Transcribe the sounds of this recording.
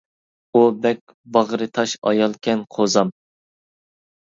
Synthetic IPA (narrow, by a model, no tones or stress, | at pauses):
ubɛkʲ | bɑʁɾɨt̪ʰɑʃɑ̰jɑlˠkʲʰɛnqʰozɑm